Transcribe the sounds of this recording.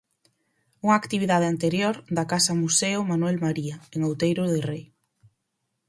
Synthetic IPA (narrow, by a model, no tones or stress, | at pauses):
uŋaːkt̪iβiðað̞ɪant̪eɾjoɾd̪akasɐmuseʊmanwɛlmaɾiaeŋowt̪ejɾʊðɪrej